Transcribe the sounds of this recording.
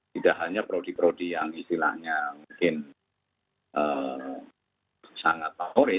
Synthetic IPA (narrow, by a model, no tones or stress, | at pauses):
t̪idaʔɦaɲapəɾodipəɾodijaŋist̪ila̰ʔɲamuŋkɪn | ʔəː | saŋat̪̚ːaʊɾɪ